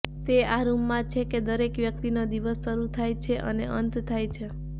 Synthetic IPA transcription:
t̪eaɾumːãt͡ʃʰeked̪əɾekʋjək̚t̪inod̪iʋəsːəɾut̪ʰajt͡ʃʰeʔəneʔənt̪t̪ʰajt͡ʃʰe

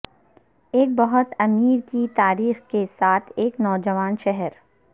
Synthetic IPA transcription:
eːk̚bɐɦʊt̪ɐmiːɾkit̪aːɾiːxkesaːt̪ʰeːknɔːd͡ʒəʋaːnʃɛɦɛɾ

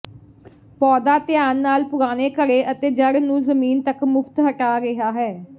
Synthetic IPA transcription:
pɔːd̪aːt̪ɪjaːnːaːlpʊɾaːneːkəɾeːʔət̪eːd͡ʒəɽnũːzəmiːnt̪əkmʊft̪ɦəʈaːɾɪɦaːɦɛː

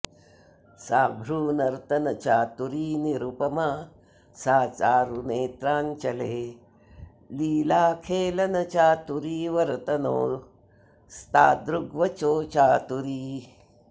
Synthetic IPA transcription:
saːbʱɾuːnɐɾt̪ɐnɐt͡ʃaːt̪uɾiːniɾupɐmɐ | saːt͡ʃaːɾuneːt̪ɾaːnt͡ʃɐleː | liːlaːkʰeːlɐnɐt͡ʃaːt̪uɾiːʋɐɾt̪ɐno̰ː | st̪aːd̪ɾuɡʋɐt͡ʃoːt͡ʃaːt̪uɾiː

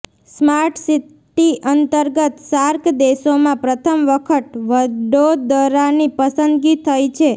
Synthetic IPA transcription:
smaɾʈʰsiʈiʔənt̪əɾɡət̪saɾkd̪esomãpɾət̪ʰəmʋəkʰət̪ʋəɖod̪əɾanipəsənd̪ɡit̪ʰəjt͡ʃʰe

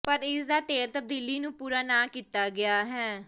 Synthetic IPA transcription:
pəɾɪsd̪aːt̪eːlt̪əb̚d̪iːliːnũːpuːɾaːnaːkiːt̪aːɡɪaːɦɛː

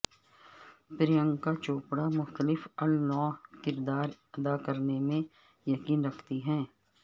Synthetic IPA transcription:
pɾijə̃ŋɡkat͡ʃoːpɽamʊxt̪əlɪfɐlnɔːkɪɾd̪aːɾ | ɐd̪akɐɾnemẽ | jɐkiːnɾɐkʰt̪iɦɛ̃ː

